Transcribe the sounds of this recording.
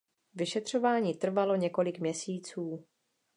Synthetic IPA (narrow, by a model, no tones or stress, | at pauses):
vɪʃɛt̪r̝̥o̞vaːɲiːt̪r̩valo̞ɲɛko̞lɪkmɲɛsiːt͡suː